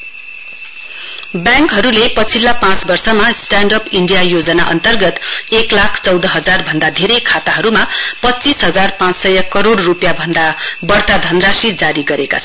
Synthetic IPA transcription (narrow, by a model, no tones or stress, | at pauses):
bjãŋkɦʌɾulepʌt͡sʰilːapãt͡sbʌrsʌmasʈaɳɖʌpiɳɖijajod͡zʌna̰ʔʌ̰nt̪ʌrɡʌt̪eklakʰt͡sʌwd̪ʌɦʌd͡zarbʱʌnd̪ad̪ʱeɾejkʰat̪aɦʌɾumapʌtːt͡sisɦʌd͡zarpãt͡ssʌjʌkʌɾoɽːupjabʱʌnd̪abʌrt̪ad̪ʱʌnrasid͡zaɾiɡʌɾeka̰t͡sʰʌ